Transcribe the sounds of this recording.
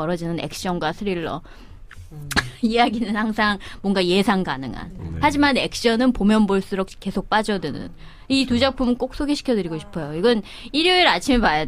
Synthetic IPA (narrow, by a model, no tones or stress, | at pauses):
ʌɾʌd͡ʑinɯne̞̰k̚ɕ͈ʌnɡwasʰɯɾiɭːʌ̰ | ijaɡinɯnhaŋsʰaŋmwʌŋɡaje̞sʰaŋɡanɯŋa̰nhad͡ʑimane̞k̚ɕ͈ʌnɯnpomjʌnboɭs͈ɯɾok̚k͈e̞sʰok̚p͈ad͡ʑʌdɯnɯ̰n | itud͡ʑak̚pʰumɯnk͈ok̚s͈ʰoɡeɕʰi̥kʰʌdɯɾiɡoɕʰi̥pʰʌjoiɡʌn | iɾjuiɾat͡ɕʰimepajad